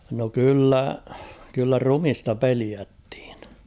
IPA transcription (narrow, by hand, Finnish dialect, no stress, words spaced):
no kylːæ kylːæ rumistɑ peliætːi̥ːn̥